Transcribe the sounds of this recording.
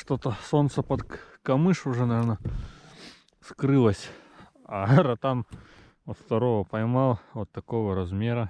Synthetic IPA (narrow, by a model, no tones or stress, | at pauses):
ʂt̪ot̪əso̞nt̪səpɐt̪kɐmɨʂʊʐɛnɐvʲeɾnə | skɾɨlˠəsʲ | arɐt̪am | ot̪ft̪ɐɾovəpɐjmalˠvot̪ːɐko̞vəɾɐzmʲeɾə